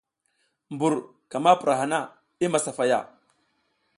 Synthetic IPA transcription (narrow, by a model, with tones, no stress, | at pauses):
mbu˨ɾ | ka˨ma˦pu˨ɾʔa˨ɦa˨na˦ | i˦ma˨sa˨fa˨ja̰˦˨